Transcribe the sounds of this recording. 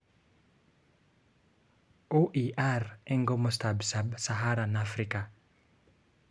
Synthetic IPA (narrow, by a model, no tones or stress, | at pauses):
oʔiʔarɛŋɡomɔstabsabsaɦaɾanafɾika